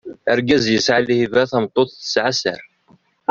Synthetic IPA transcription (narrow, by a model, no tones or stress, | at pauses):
əɾɡæzjəsʕalihivæθæmt̪ˤːoθˤθə̥sʕasə̰ɾ